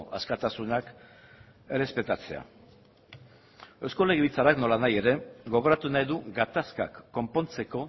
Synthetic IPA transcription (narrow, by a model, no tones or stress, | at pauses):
ʔaskat̪asunak | e̞re̞spe̞t̪at͡se̞̰a̰ | ewsko̞le̞ɣ̞eβit͡saɾakno̞lanaje̞ɾe̞ɣo̞β̞o̞ɾat̪unajðuɡat̪aska̰kːo̞mpo̞nt͡se̞ko̞